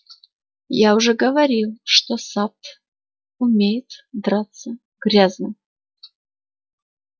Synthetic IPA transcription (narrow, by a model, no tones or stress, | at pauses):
jaʊʐɛɡəvɐɾʲilˠʂt̪osat̪ | ʊmʲejɪt̪d̪ɾat̪sːə | ɡɾʲaznəm